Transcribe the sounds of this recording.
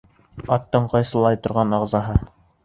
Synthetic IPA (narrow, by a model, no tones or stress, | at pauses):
ɑt̪ːɤɴqɑjsɤ̆lˠɑjt̪ŏɾʁɑnɑʁzɑɦɤ